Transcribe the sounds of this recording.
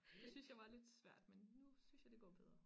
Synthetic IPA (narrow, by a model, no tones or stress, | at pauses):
d̥esynsjɑ̈ɪʋɑ̈le̝d̥sʋæɐ̰d̥menːusynsjɑ̈d̥e̝ɡ̥ɒ̰ːb̥eð̞ˠʁɐ